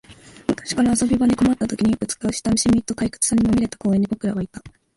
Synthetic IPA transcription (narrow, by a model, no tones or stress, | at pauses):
mɯ̟kḁɕi̥kaɾaːso̞bʲibaɲ̟iko̞mat̪ːat̪o̞kʲiɲ̟ijokɯ̟t͡sɨ̥kao̟ɕi̥t̪amʲiɕimʲit̪ːo̞kaikɯ̥t͡sɨ̥saɲ̟ːimo̞mʲiɾe̞t̪ḁko̞ːe̞ɲ̟ːibo̞kɯ̟ɾaɡait̪a